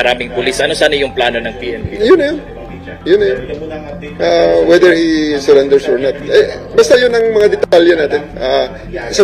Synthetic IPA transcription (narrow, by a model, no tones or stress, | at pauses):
ɐɾaːmɪŋpʊlisʔɐno̞saːnɐjʊŋplaːno̞nɐŋpiːʔɛnpḭjʊnːɐjʊn | jʊnːɐjʊn | ʔawɛd̪ɛɹhisɛɾɛnd̪ɛɹsoɹnat̪̚ʔɛbaːst̪ɐjʊnɐŋmɐŋad̪ɛt̪aljɛnaːt̪ɪnʔa | sa